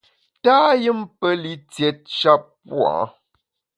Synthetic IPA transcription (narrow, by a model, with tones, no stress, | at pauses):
taː˦jɨ˦mpə˦li˦t͡sjɛ˨t̚t͡ʃa˦p̚pw̰ɔ̰̃˨˦